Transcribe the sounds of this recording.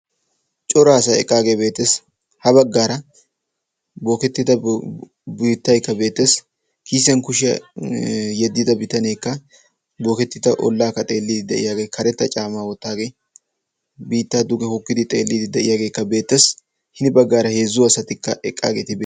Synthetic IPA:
t͡ʃʼɔɾaːsɐɛ̰kʼːaːɡeːbe̞ːt̪ːes | hɐbɐɡːaːɾɐ | bo̞ːkɛt̪ːɪt̪ɐ | biːt̪ːɐjkːɐbe̞ːt̪ːes | kiːsɛnkʊʃɪɐ̰ | jɛd̪ːɪd̪ɐbɪt̪ɐneːkːɐ | bo̞ːkɛt̪ːɪt̪ɐʔɔ̰lːaːkːɐt̪ʼe̞ːlːid̪ɪd̪ːɐ̰ʔɪ̰jaːɡeːkʰɐɾɛt̪ːɐt͡ʃʼaːmaːwɔt̪ːaːɡe̞ː | biːt̪ːaːd̪ʊɡɛhɔkːɪd̪ɪt̪ʼe̞ːlːid̪ɪd̪ːɐʔɪjaːɡe̞ːkːɐbe̞ːt̪ːes | hɪnɪbɐɡːaːɾɐhe̞ːzːʊɐsɐt̪ɪkːɐʔɛkʼːa̰ːɡeːt̪ɪb

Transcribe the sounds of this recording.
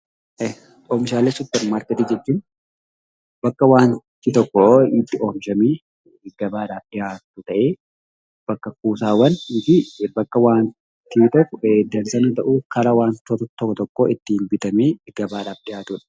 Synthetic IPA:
oːmʃaːlesʊpːɛɾmaːɾkɐt̪iːd͡ʒɛt͡ʃːuːn | bɐkːɐwaːnt̪it̪ɔkːɔit̪ːɪʔomʃɐmeː | ɡɐbaːɾaːfᶑɪjaːt̪ʊt̪ɐʔeː | b̥ɐkːɐkuːsaːwɐnɪfɪbɐkːɐwaːn | t̪iːt̪ɔkːd̪ɐɾsɐnɐt̪ɐʔuːkɐɾɐwaːnt̪ɔt̪ɔt̪ːɔkːɔt̪ɔkːoɪt̪ːɪnbɪt̪ɐmeːɡɐbaːɾaːfd̪ɪjaːt̪ʊᶑɐ̥

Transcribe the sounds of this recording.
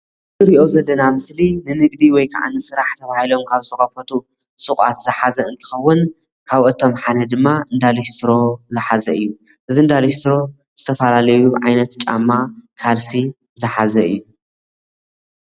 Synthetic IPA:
ɨɾiʔo̞zɐd̪ːɐnamɨslinɨnɨɡd̪iwɔjkʰa̰ʕa̰nɨsɨɾaħt̪ʰɐβahilo̞mkʰaβzɨsʰɨxʼɐfɐt̪ʰu | sɨxʼa̰t̪z̥ɨħazɐɨnt̪ʰɨ̥xɐwːʊn | kʰaβʔɨt̪ʰo̞mħanɐd̪ɨmːaɨnd̪alist̪ʰɾo̞zɨħazɐɨjːu | ʔɨziɨnd̪alist̪ʰɾo̞ | z̥ɨt̪ʰɐfɐlalɐjuʕajnɐt̪t͡ʃʼa̰mːakʰalsi | zɨħazɐɨ̰jːu

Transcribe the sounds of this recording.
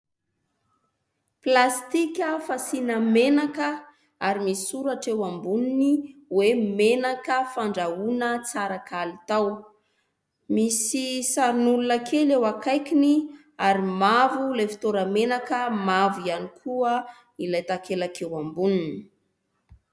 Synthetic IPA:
plast̪ikʲəfasinəmenakə | aɾimiisuɾaʈ͡ʂewambuniniwemenakəfaɳɖ͡ʐaunət͡saɾakʰalit̪aw | misisaɾinulunakʰelewakʰajkʲini | aɾimavulefi̥t̪oɾamenakəmavianikʰuə | ilajt̪akʰelakewambunini̥

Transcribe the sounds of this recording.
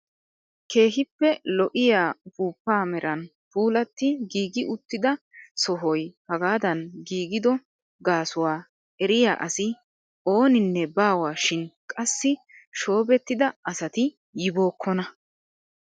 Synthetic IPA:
ke̞ːɦɪpːɛlɔʔɪjaːbuːpːaːmɛɾʔɐn | puːlɐt̪ːɪɡiːɡɪʔʊt̪ːɪd̪ɐsɔɦɔjhɐɡaːd̪ɐnɡiːɡɪd̪ɔ | ɡaːsʊwaː | ɛɾɪja̰ːʔɐsɪ | o̞ːnɪnːɛbaːwaːʃɪnkʼɐsːɪ | ʃo̞ːbɛt̪ːɪd̪ɐɐsɐt̪ɪ | jɪbo̞ːkʰːɔnɐ

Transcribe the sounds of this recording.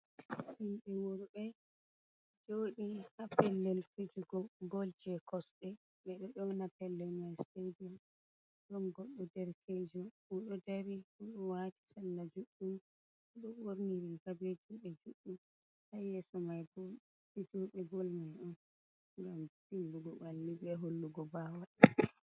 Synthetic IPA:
hinɗɛwoɾbɛ | d͡ʒoɗihapɛlːɛlfid͡ʒuɡɔɡold͡ʒɛkɔsɗɛ | ɓɛɗɔɗɔnapɛlːɛlmajstedɔm | ɗɔnɡɔɗːɔdɛɾkʰɛd͡ʒɔwɔɗɔdaɾihuɗɔwati̥salːad͡ʒuɗːum | ɗɔɓoɾniɾikabɛd͡ʒuɓɛd͡ʒuɗːum | hajɛsɔmajbɔ | id͡ʒoɓɛɡolmajɗɔn | ŋɡamtimbuɡɔɓalːibɛɦolːuɡɔbaːwa

